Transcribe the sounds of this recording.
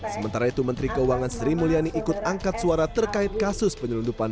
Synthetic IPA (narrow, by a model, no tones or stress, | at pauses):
səmənt̪aɾait̪umənt̪ɾikəuaŋansəɾimulianiʔikʊt̪̚aŋkat̪̚suaɾat̪ərkaɪt̪̚kasʊspəɲəlundupan